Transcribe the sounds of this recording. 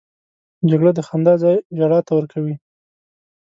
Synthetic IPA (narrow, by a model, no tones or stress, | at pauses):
d͡ʒaɡɽəd̪əxand̪ɑzɑjʒaɽɑt̪awəɾkʰawi